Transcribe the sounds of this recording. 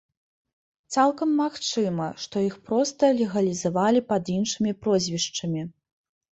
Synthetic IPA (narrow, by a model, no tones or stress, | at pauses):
t̪salˠkɐmːaxt͡ʂɨmɐʂt̪ɔjixpɾɔst̪ɐlʲɛɣɐlʲizavalʲipɐd̪inʂɨmʲipɾɔzʲvʲiʂt͡ʂɐmʲi